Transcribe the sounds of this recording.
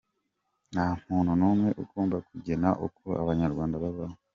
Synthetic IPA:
nam̥uːnhunuːmŋe̞ʔukoːmbakuɟenaʔokoa̰βaɲaɾɡwaːndaβaβawe

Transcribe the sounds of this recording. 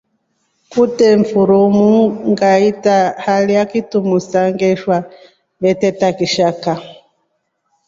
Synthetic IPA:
kutɛɱfuɾumuŋɡaitahalijakitumusaŋɡɛʃwa | βɛtɛtakiʃaka

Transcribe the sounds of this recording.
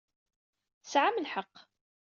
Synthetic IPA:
θəsʕaməlħəqː

